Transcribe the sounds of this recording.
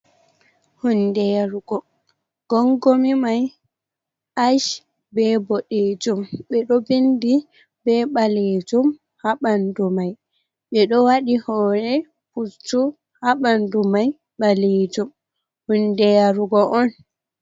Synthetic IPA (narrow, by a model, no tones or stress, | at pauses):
hundɛjaɾuɡɔ | ɡ̥ɔŋɡomimaj | ʔaʃ | bɛbɔɗed͡ʒumɓɛɗɔbendi | bɛɓaled͡ʒum | haɓandumaj | ɓɛɗɔwaɗihɔɾɛ | put͡ʃːu | haɓandumaj | ɓaled͡ʒum | hundɛjaɾuɡɔʔɔn